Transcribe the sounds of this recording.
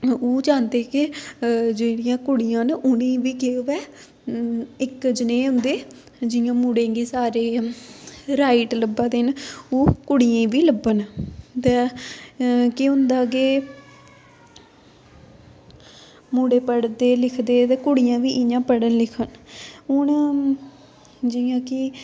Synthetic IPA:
oːd͡ʒaːnd̪eːkɪ | d͡ʒeːɽɪjãːkʊɽɪjãːnʊnẽːʋiːkeːʋɛː | ɪkd͡ʒneːʊ̃nd̪eː | d͡ʒɪjãːmuːɽẽːɡiːsaːɾeː | ɾaːiʈləbːãːd̪enoːkʊɽɪjãːĩːʋiːləbːənt̪ɛː | kɪʊnd̪aːɡeː | muːɽeːpəɽd̪eːlɪkʰd̪eːt̪eːkʊɽɪjãːʋiːʔɪjãːpəɽənlɪkʰənʊn | d͡ʒɪjãːkɪ

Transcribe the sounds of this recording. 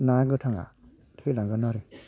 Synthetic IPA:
naɡɯtʰaŋa̰ | tʰelaŋɡɯnɔɾi

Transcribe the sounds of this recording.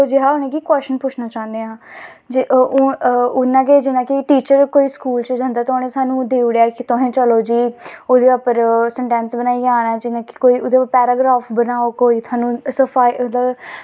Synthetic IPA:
od͡ʒɪɦaːʊnẽːkiːkwɛːst͡ʃənpʊt͡ʃʰnaːt͡ʃãːnd̪eːãːd͡ʒʔ | ʊnãːked͡ʒɪnãːkɪʈiːt͡ʃəɾkoːiːskuːlt͡ʃəd͡ʒə̃nd̪aːt̪onẽːsaːnũːd̪eːʊɽaːkɪt̪oɦẽːt͡ʃəloːd͡ʒiːoːd̪eːəpəɾsɛɳʈɛ̃ːnsbənaːiːaːnɛːd͡ʒɪnãːkɪ̥koːiːʔʊd̪eːəpɛːɾaːɡɾaːfbənaːoːkoːiːt̪ʰaːnũːsəpʰaːiʔ̪ə

